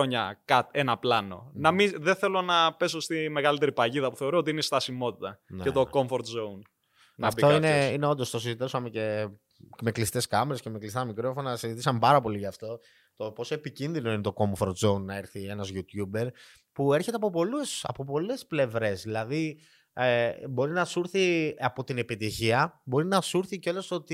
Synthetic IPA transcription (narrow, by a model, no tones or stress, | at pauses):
oɲɐkɐt̪enɐplɐno̞̰nɐmiðeθe̞lo̞nɐpe̞sost̪imeɣɐlit̪e̞ɾipɐʝiðɐpu̥θe̞oɾoot̪iineist̪ɐsimo̞t̪i̥t̪ɐneet̪o̞ko̞mfoɾt̪zoun | nɐftioineineo̞nd̪o̞st̪o̞sizit̪esomece̞ | me̞klist̪e̞skɐmeɾesce̞meklist̪ɐmikɾofonɐsizit̪isɐmpɐɾɐpo̞liʝɐft̪o̞ | t̪o̞po̞soepicinðino̞inet̪o̞ko̞mfo̞ɾt̪zo̞nːɐeɾθie̞nɐzʝut̪jube̞ɾ | pue̞ɾçe̞t̪eɐpo̞polusɐ̰po̞po̞le̞sple̞vɾe̞zðilɐði | ebo̞ɾinɐsuɾθiɐpo̞t̪ine̞pit̪içiɐbo̞ɾinɐsuɾθiceo̞lo̞sot̪i